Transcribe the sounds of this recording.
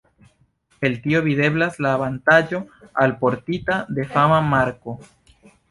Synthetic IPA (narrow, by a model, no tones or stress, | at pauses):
e̞lt̪io̞βide̞blaslaːβant̪ad͡ʒo̞alpo̞ɾt̪it̪ad̪e̞famamaɾko̞